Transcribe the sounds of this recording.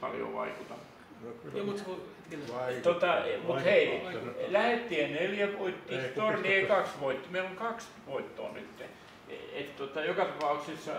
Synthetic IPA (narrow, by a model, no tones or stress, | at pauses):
pɑ̰ljo̰ʋɑ̰ikut̪ɑm | jmut̪kuet̪ːt̪ot̪ɑmut̪heilæhet̪ːiːeneljæʋoit̪ːiːt̪orieikɑksʋoit̪ːimeiloŋkɑks | ʋoit̪ːo̰ːny̰t̪ːḛ | et̪t̪ot̪ɑjokɑt̪ɑpɑuksisːɑ